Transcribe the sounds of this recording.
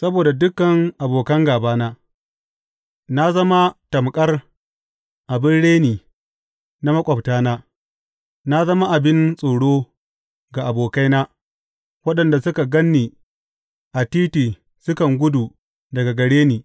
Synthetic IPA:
sɐ˦boː˨da˨dʊ˦kːɐ˨ŋʔa˨boː˨kɐ˦ŋɡaː˨baː˦naː˦ | na˦zɐ˦ma˦tɐ˨mkʼɐ˦r | ʔa˨bɪ˦nɽeː˦niː˨ | na˦mɐ˦kʷʼɐ˨btaː˦naː˦ | na˦zɐ˦ma˦ʔa˨bɪ˦nsʼoː˨ɽoː˦ | ɡa˨ʔa˨boː˨ka˦jnaː˦ | wɐ˦ɗɐ˨nda˨sʊ˦ka˨ɡɐ˦nːiː˨ | ʔa˨tiː˦tiː˨ | sʊ˦kɐ˨ŋɡʷʊ˦duː˨ | dɐ˨ɡa˨ɡɐ˨ɽeː˦niː˨

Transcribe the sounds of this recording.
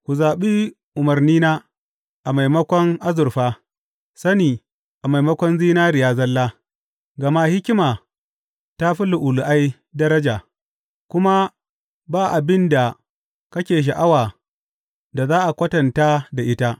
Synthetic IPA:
kʷu˨zaː˨ɓiː˦ | ʔʊ˨mɐ˨rniː˦naː˦ | ʔa˨ma˨jmɐ˦kʷɔ˦ŋʔa˦zʊ˨rɸaː˦ | sɐ˦niː˨ | ʔa˨ma˨jmɐ˦kʷɔ˦nziː˦naː˦ɾɪ˨jaː˦zɐ˦lːaː˦ | ɡɐ˨ma˦hɪ˦kʲɪ˦maː˨ | ta˦ɸi˦lʊ˨ʔʊ˨lu˨ʔa˦j | dɐ˦ɾɐ˦d͡ʒaː˨ | kʷʊ˦ma˦ | baː˦ʔa˨bɪ˦nda˨ | kɐ˦kʲeː˨ʃ̬a˨ʔa˦waː˨ | da˨zaː˦ʔa˨kʷɐ˦tɐ˨nta˦da˨ʔɪ˦ta˦

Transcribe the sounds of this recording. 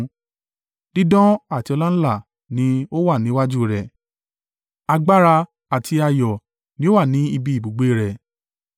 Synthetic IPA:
d̥i˦dɔ̃˦a˦˨ti˧ɔ˧la˦n̩˦la˦˨ | nĩ˨˦o˦wa˦˨nĩ˨˦wa˦d͡ʒu˦ɾɛ˨ | a˧ɡ͡ba˦ɾa˧ | a˨ti˧a˧jɔ˨ | nĩ˨˦o˦wa˦˨nĩ˨˦i˧bi˧i˦˨bu˨ɡ͡be˦˨ɾɛ˨

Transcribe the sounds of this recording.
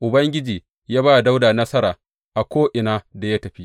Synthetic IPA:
ʔʊ˨bɐ˦ŋɡʲɪ˦d͡ʒiː˨ | jaː˦baː˦˨da˦wda˨nɐ˦sɐ˦ɾaː˨ | ʔa˨kʷoː˦ʔɪ˨naː˦da˨ja˦tɐ˨ɸi˦

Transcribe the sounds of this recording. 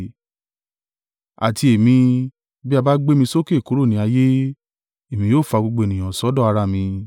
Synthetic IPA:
a̰˨ti˧e˨mĩ˧ | bi˦a˧ba˦ɡ͡be˦mĩ˧so˦ke˦˨ko˨˦ɾo˦˨nĩ˧˦a˧je˦ | e˨mĩ˧joː˦˨fa˧ɡ͡bo˧ɡ͡bo˧e˨nĩ˨j̃ɔ̃˨sɔ˨˦dɔ˦˨a˧ɾa˧˨mĩ˧

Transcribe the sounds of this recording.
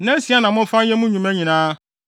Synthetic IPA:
nɛ̃˦n˦si˨a˦nã˨mʊ̃˦fã˦n˦jɛ˦mũ˦ɲũ˨mæ̃˦ɲĩ˨nãː˦

